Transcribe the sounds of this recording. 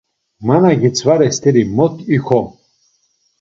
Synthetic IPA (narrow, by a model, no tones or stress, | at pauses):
manaɡit͡sʰvaɾɛst̪ʰɛɾimɔt̪ʰixɔm